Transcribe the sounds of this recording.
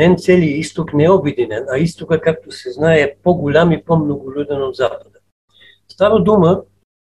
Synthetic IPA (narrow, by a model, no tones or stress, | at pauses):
ɛnt̪sɛlijəist̪oknɛɛobɛd̪inɛnɐist̪okəkak̚t̪osɛznaɛɛpɔɡʊlʲamipɔmnoɡʊlʲud̪ɛnod̪zapəd̪ə | st̪avəd̪umə